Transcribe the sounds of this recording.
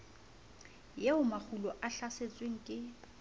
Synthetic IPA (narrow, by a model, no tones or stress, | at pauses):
jeʊmak͡xʰulɔʔaɬaset͡sʼweŋ̩kʼɪ